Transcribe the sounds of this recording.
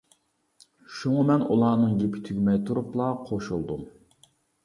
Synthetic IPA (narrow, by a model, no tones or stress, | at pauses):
ʃuŋɑmɛnṵlˠɑːnɨŋɡʲepʰɪ̥t̪ʰyɡʲmɛjt̪ʰuɾuplˠɑqʰoʃulˠd̪um